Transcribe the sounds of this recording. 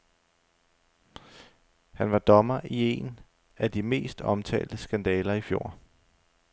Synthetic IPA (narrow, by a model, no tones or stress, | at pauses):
hænʋɑ̈d̥ɒ̽mɐʔie̝n | æd̥ime̝̰ːsd̥ɒ̽mt͡sʰɛ̰ːld̥əsɡ̥ænd̥ɛːlɐifjo̝̰ː